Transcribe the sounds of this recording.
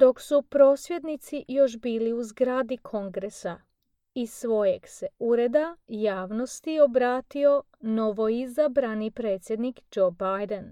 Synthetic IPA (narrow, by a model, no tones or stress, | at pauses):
d̪o̞ksupɾo̞ːsʋje̞d̪nit̪sijo̞ʃ̬biːliuzɡɾaːd̪ikʰo̞ŋɡɾesa | isʋo̞je̞ɡse̞uɾe̞d̪ajaːʋno̞st̪io̞bɾaːt̪io̞ | no̞ʋo̞izabɾanipɾe̞ːt̪sʲje̞d̪nikd͡ʒo̞bajd̪en